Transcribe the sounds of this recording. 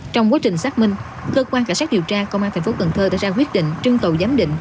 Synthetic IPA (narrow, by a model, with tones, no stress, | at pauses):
t͡ɕɔ˧wŋ͡mkwaː˨˦t͡ɕï˨˩ŋ̟saː˦˥k̚mï˧ŋ̟ | kəː˧kwaː˧nkaː˧˩nsaː˦˥t̚ɗi˨˩əwt͡ɕaː˧kə˧wʔaː˧nt̪ʰŋ̟fo˨˦˥ə˨˩nt̪ʰəː˧ɗa̰ː˧˨jzaː˧kwi˦˥ət̚ɗḭ̈˧˨ŋ̟t͡ɕɨ˧əŋkə˨˩wzaː˨˦mɗḭ̈˧˨ŋ̟